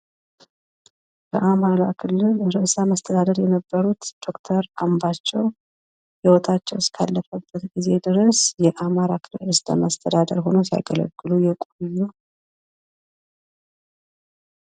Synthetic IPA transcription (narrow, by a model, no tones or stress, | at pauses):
bəʔamaɾakʰɨlːɨlɾɨsaməst̪ʰəd̪ad̪əɾjɛnəbːəɾut̪d̪̥o̞kt̪ʰəɾambat͡ʃːɛw | jɛwɔt̪ʰat͡ʃːɛwskʰalːəfəbːət̪ɡize̞d̪ɨɾəsjɛʔamaɾakʰɨlɨɾɨst̪ʼa̰məst̪ʰəd̪ad̪əɾɦo̞nosija̰ɡələ̰ɡːɨlujɛkʼujːu